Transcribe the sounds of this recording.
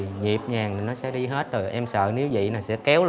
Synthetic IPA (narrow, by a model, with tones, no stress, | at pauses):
ɲi˨˩p̚ɲaː˨˩ŋ˨˩nɔ˨˦sɛ̰˧˥ɗi˧ɦe˦˥t̚zo˨˩jʔɛ˧msə̰ː˧˨ne˨˦wvḭ˧˨naː˨˩sɛ̰˧˥kɛ˨˦wl